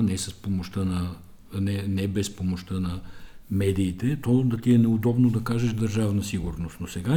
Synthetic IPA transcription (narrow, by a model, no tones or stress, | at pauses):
nɛsɐspomoʃt̪ənɐ | nɛnɛbɛspomoʃt̪ənɐmɛd̪iːt̪ɛt̪ɔd̪ɐt̪iɛnɛʊd̪ɔbnod̪ɐkaʒɛʃd̪ɐɾʒavnəsiɡʊɾnost̪nosɛɡa